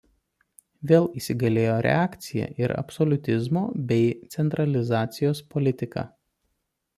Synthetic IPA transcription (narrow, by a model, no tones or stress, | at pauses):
ʋʲeːlˠiːsʲɪɡɐlʲeːjoːɾʲɛ̰ɑːkt̪sʲɪjɛ̰ʔɪɾɐ̰psɔlʲʊt̪ʲɪzmo̰ːbʲɛɪt̪sʲɛnt̪ɾɐlʲɪzɑːt̪sʲɪjoːspɔlʲɪt̪ʲɪkɑ̰ː